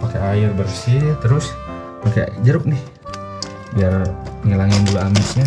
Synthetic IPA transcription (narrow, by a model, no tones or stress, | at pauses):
pakaaɪrbərsit̪əɾʊs | paka̰d͡ʒəɾʊp̚nɪh | biarəŋəlaŋanduaamɪsɲa